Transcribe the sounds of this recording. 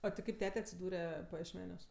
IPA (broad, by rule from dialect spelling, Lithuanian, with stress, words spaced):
ɐ tʲɪ ˈkɐɪp ˈtʲæːtʲɛ ɐtʲsʲɪˈduːrʲɛ pɐjiɛʃʲˈmʲæːnʲuɔs